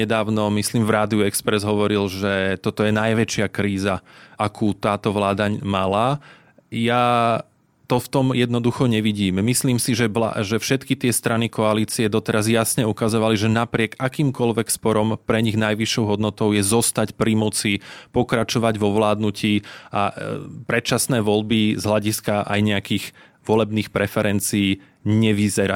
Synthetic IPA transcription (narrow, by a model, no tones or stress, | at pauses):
ɛd̪aːʊnɔmisliːmvɾaːd̪iuɛkspɾɛzɦɔʋɔɾilʒɛt̪ɔt̪ɔjɛnajʋɛt͡ʃɪakɾiːzaʔakʰuːt̪aːt̪ɔʋlaːd̪aɲmala | ja | t̪ɔft̪ɔmjɛd̪nɔd̪uxɔɲɛʋiɟiːmmisliːmsiʒɛʋla̰ʒɛfʃɛt̪kit̪ɪɛst̪ɾanikɔaliːt͡siɛd̪ɔt̪ɛɾazjasɲɛukazɔʋaliʒɛnapɾɪɛkakiːmkɔlʋɛkspɔɾɔmpɾɛɲiɣnajʋiʃːɔʊɦɔd̪nɔt̪ɔʊjɛzɔst̪acpɾimɔt͡sipɔkɾat͡ʃɔʋaɟʋɔʋlaːd̪nuciːapɾɛt̪t͡ʃasnɛːʋɔlbizɦlaɟiskaʔa̰jɲɛakiːɣ | ʋɔlɛbniːxpɾɛfɛɾɛnt͡siiː | ɲɛʋizɛɾa